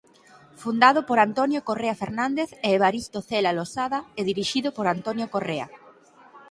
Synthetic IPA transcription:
fund̪aðʊpoɾant̪onjokoreafeɾnãnd̪eθɛːβ̞aɾist̪oθelalosaðaɛðiɾiʃiðʊpoɾant̪onjokorea̰

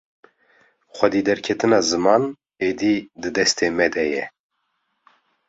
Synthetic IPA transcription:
xʷɛd̪iːd̪ɛɾkʰɛt̪ɨnɑːzɨmɑːn | eːd̪iːd̪ɨd̪ɛst̪eːmɛd̪ɛjɛ

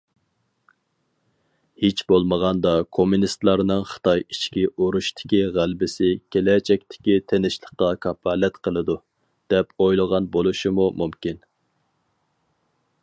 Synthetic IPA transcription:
het͡ʃbolˠməʁɑnd̪ɑkʰomunist̪lˠɑɾnɨŋχə̥t̪ɑjit͡ʃkʲiʔoɾuʃt̪ʰɪ̥kʲiʁælbɪsɪkʲʰelɛt͡ʃʰɛk̚ʲt̪ʰɪ̥kʲit̪ʰenɪʃlˠəqːɑkʰɑpɑlɛt̪qʰəlˠɨd̪u | d̪̥ɛpojlˠəʁɑnbolˠuʃimumumkʲin

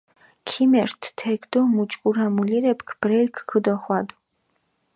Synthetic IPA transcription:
kʰimɛɾt̪ʰt̪ʰɛkʰd̪ɔmut͡ʃʼkʼuɾamuliɾɛpʰkʰb̥ɾɛlkʰkʰəd̪ɔχwad̪u

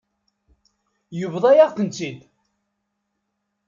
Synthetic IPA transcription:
jəvðˤɑjaʁkənt͡sid̪

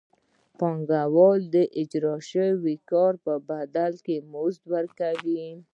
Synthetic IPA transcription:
pɑŋɡawɑld̪əʔɪd͡ʒɾɑʃəwikɑɾpəbad̪alkemozd̪wəɾkawi

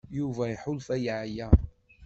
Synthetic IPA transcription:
juvæiħʊlfæjʕjæ

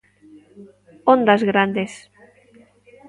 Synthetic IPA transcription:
ond̪azɣɾand̪es

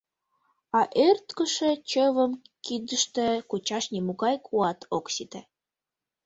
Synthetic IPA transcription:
ɑʔørt̪kəʃĕt͡ɕəβəmkid̪əʃt̪ĕkut͡ɕɑʃnimuɣɑjkʰuɑt̪ʰoksit̪e

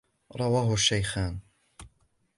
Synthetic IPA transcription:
ɾˤɑwaːɦʊaʃːajxaːn

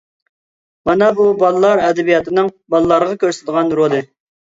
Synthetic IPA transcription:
mɑnɑbubɑlˠɨlˠɑɾɛd̪ɛbijɑt̪ʰɨnɨŋbɑlˠɨlˠɑɾʁɑkʲʰøɾsd̪əʁɑnɾolˠɨ

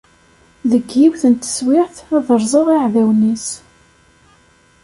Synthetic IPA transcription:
ðəɡːiwθənt̪ə̥swɪʕθæðəɾˤzˤəʁiʕðæwnis

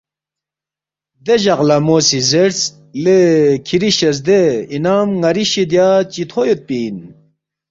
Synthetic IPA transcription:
d̪eʑɐʁlɐmoːsizeɾs | lekʰiɾiɕɐs̬d̪einaːmŋɐɾiɕid̪jaːt͡ɕit̪ʰojot̪̚piːn

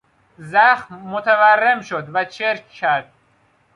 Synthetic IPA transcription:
zæxmːot̪ʰæværːemʃod̪væt͡ʃʰeɾcːʰæɾd̪̥̚

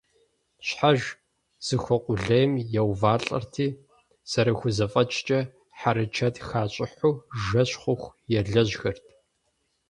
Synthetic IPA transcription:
ɕħaʒ | z̥ɨxʷɔqʷʼʊɮɐjɛmjɛwvaːɬʼɐ̰rtʰiː | z̥ɐɾɐxʷʊzɐfʼɐt͡ʃʼt͡ʃʼɐ | ħaɾɨt͡ʃʰɐtxaːɕʼɪħʷuːʒɐɕχʷʊxʷjɛɮɐʑxɐrtʰ

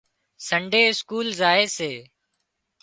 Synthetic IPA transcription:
səɳɖʱeːɪskuːlzaːeːseː

